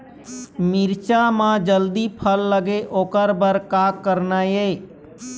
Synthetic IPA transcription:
mɪɾt͡ʃamãd͡ʒəld̪ipʰəlːəɡeʔoːkəɾbəɾkaːkːəɾnajeː

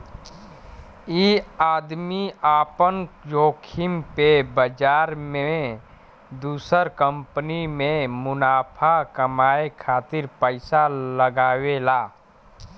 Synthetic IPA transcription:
iaːd̪miaːpənjoːkʰɪmpebəd͡ʒaːɾmẽ | d̪uːsəɾkə̃mpənimẽmʊnaːpʰakəmaːekʰaːt̪ɪɾpəɪsaləɡaːwelaː

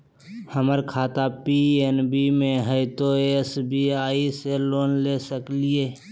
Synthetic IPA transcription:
həməɾkʰaːt̪apienbimẽɦəɪt̪oesbʱiaːiseloːnlesəklieː

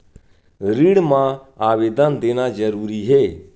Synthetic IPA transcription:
ɾiːɽmãaːʋeːd̪ənd̪eːnad͡ʒəɾuːɾiɦeː

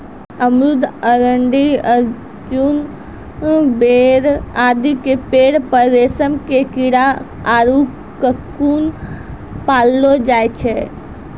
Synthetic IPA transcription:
əmɾʊd̪ʱəɾəɳɖiəɾ | d͡ʒun | beɾaːd̪ikepeːɽpəːeːsəmkekiɽa | aːɾu | kəkun | paːlːod͡ʒaːjt͡ʃʰe

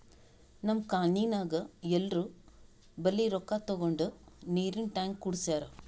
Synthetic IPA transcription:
nɐmkaːniːnaːɡɐɛlɾu | bɐlːiɾɔkːat̪ɔɡoɳɖuniːɾinʈaːŋɡuɽsaːɾɐ

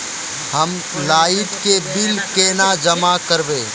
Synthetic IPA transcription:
hɐm | laːɪt̪kebɪlkeːnad͡ʒɐmakəɾbeː

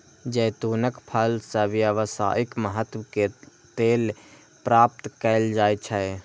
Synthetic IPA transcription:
d͡ʒəːt̪uːnəkpʰəlsəbjəʋəsa̰ːɪkməɦət̪wke | t̪eːl | pɾaːp̚t̪kəɪld͡ʒaːet͡ʃʰəe

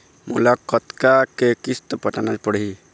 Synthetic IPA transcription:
mṵlakət̪kakekist̪əpəʈanad͡ʒpəɽi

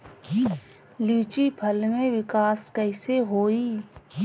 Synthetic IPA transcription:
liːt͡ʃipʰəlmẽʋɪkaːskəɪseɦoːi

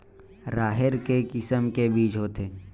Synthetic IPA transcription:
ɾaːɦɪɾkekɪsəmkebiːt͡ʃɦoːt̪eː

